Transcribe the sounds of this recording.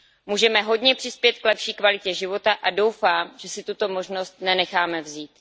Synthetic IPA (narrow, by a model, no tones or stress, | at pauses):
muːʒɛmɛɦo̞dɲɛpr̝̥ɪspjɛt̪̚klɛpʃiːkvalɪcɛʒɪvo̞t̪aʔado̞wfaːmʒ̥ɛsɪt̪ut̪o̞mo̞ʒno̞st̪̚nɛnɛxaːmɛvziːt̪